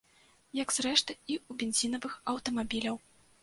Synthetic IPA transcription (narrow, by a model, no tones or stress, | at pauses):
jɐkz̥ɾɛʂt̪ɨiubʲenzʲinɐvɨxɐwt̪ɐmabʲilʲɐw